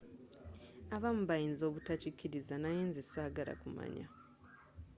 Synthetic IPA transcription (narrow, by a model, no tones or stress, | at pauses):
aβamuβajiːnzo̞ːβutacikːiɾizanajeːnzesaːɡala̰kuma̰ɲa